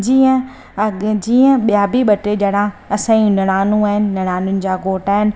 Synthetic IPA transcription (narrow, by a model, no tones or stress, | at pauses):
d͡ʑiːə̃ | d͡ʑiːə̃ɓijaːbʱiɓɐʈed͡ʑɐɽãɐsãːiũnɐɽ̃aːnũaːɦɪnɪ̆nɐɽ̃aːnʊnɪ̆d͡ʑaːɡoːʈaːɦɪnɪ̆